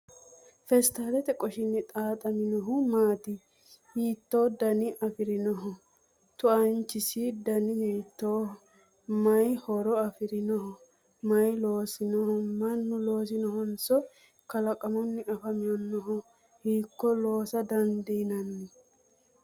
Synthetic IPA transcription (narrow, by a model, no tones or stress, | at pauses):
fɛst̪aːlɛt̪ɛkʼɔʃɪnːɛt̪ʼaːt̪ʼɐmɪnɔɦʊmaːt̪ɪ | hiːt̪ːoːd̪ɐnɪʔɐfɪɾɪnɔɦɔ | t̪ʊɐnt͡ʃːɪsɪd̪ɐnɪnɛjt̪ːoː | mɐjhɔɾɔɐfɪɾɪnɔhʊ | mɐjlo̞ːsɪnɔhɔmɐnːʊlo̞ːs̬ɪnɔɦɔnsɔ | kɐlɐkʼɐmɔnːɪʔɐfɐmɪjɔnːɔɦɔ | hiːkːɔlo̞ːsɐd̪ɐnd̪ɛjnɐnːɛ